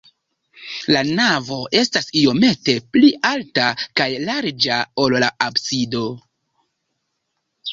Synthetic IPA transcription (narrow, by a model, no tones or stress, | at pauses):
lanavo̞ʔe̞stasio̞me̞te̞plialtakajlaɾd͡ʒao̞llaabsido̞